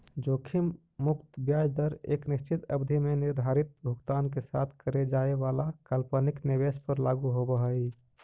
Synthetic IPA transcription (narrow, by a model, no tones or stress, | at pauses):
d͡ʒoːkʰim | mʊkt̪bjaːd͡ʒd̪əɾḛːknɪʃt͡ʃɪt̪ə̰bd̪ʱimenɪɾd̪ʱaːɾɪt̪̚bʱʊɡt̪aːnk̬esa̰ːt̪ʰkəɾed͡ʒaːealakəlpəniknɪʋespəɾlaɡuɦobəɦəi